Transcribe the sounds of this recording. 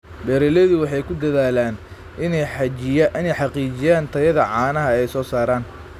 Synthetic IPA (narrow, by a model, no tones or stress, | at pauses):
bɛːɾɛlɛðʊwɑħɑjkʰʊd̪ɐðaːlaːn | ʔɪnɛjħɑt͡ʃɪjɐʔɪnɛjħɑqiːt͡ʃɪjaːnt̪ʰɐjɐðɐʕɑːnɐɦɐɛjsɔːsaːɾaːn